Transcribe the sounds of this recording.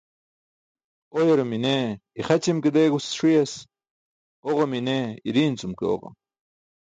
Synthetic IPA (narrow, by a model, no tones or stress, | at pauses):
ojeɾomineiχɐt͡ɕimked̪eːɡusʂijɐs | oʁomineiɾiːnt͡sumkeo̰ʁo̰